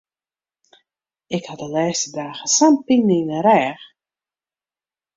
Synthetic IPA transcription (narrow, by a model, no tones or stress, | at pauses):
ɪkhadəlɛːstədaːɣəsampiŋniːnəɾɛːx